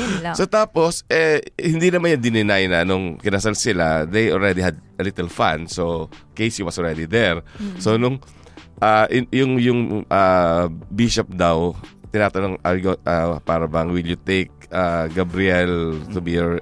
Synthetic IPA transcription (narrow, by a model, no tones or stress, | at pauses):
sot̪aːposʔɛhɪnd̪inɐmanjɐnd̪ɪnɪnajnɐnʊŋkɪnasalsɪlad̪ejʔolɹɛd̪ihɐd̪̚ɐlit̪ɛlfã̰nsokejshiwɐsolɹɛd̪id̪ɛɹsonʊŋ | ʔaʔjʊŋjʊŋʔabiʃop̚d̪ɐwt̪ɪnaːt̪ɐnoŋajɡoʔapaːɾɐbɐŋwɪljʊt̪ejk̚ʔaɡɐbɾɪɛlt̪ʊbijɔɹ